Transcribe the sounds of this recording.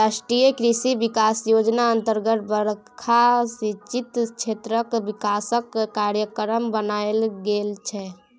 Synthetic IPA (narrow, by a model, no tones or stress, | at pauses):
ɾasʈɾijəkɾisibikasjod͡ʒnaənt̪əɾɡət̪bəɾ | kʰasit͡ʃit̪t͡ʃʰet̪ɾəkbikasəkːaɾjəkəɾəmbənaelɡelt͡ʃʰɛ